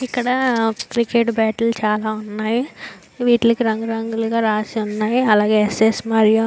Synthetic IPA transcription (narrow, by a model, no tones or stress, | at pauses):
ikːɐɽɐkɾikeʈbɛːʈɐlt͡ʃaːlaːunːaːji | ʋiːʈlɐkiɾɐŋɡuɾɐŋɡuluɡaːɾaːsiunːaːjiɐlaːɡeːsesmɐɾijo